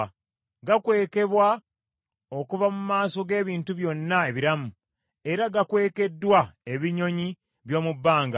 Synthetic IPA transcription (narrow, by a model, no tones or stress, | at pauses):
ɡakwe̞ːke̞βwa | o̞kuvamumaːso̞ɡe̞ːβiːntuβjo̞nːaeβiɾamu | e̞ɾaɡakwe̞ːke̞dːwae̞βiɲo̞ɲi | βjo̞ːmubːaːŋɡa